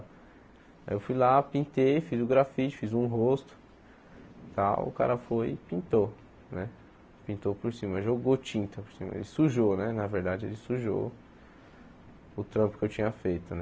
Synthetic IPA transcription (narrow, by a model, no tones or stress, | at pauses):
ajewfujlapĩnt̪ejfizʊɡɾafit͡ʃɪ̥fizũɦost̪ʊ̥ | t̪awʊ̰ka̰ɾɐfojpĩnt̪o | nɛ | pĩnt̪opʊɾsĩmɐʒoɡot͡ʃĩnt̪ɐpʊɾsĩmɐ̰ḛlɪsuʒonɛnɐveɾd̪ad͡ʒɪelɪsuʒo̰ | ʊt̪ɾɐ̃pʊkɪewt͡ʃĩɲɐfejt̪ʊnɛ